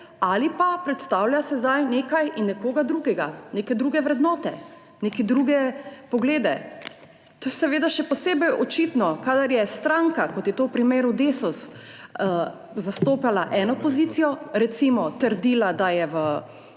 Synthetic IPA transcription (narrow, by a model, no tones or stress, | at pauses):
alipapɾɛt̪st̪awljasɛzd̪ajneːkajʔinːɛkoːɡad̪ɾuːɡɛɡanekɛd̪ɾuɡɛʋɾɛd̪nɔːt̪ɛ | nekɛd̪ɾuɡɛpɔɡleːd̪ɛ | t̪ojsɛʋeːd̪aʃɛpɔseːbɛjɔt͡ʃit̪nɔkad̪aɾjɛst̪ɾaŋkakɔt̪jɛt̪owpɾimeːɾud̪eːsɔs | zast̪oːpalaʔɛːnɔpɔziːt̪sijɔɾɛt̪simɔt̪əɾd̪iːlad̪ajɛʋə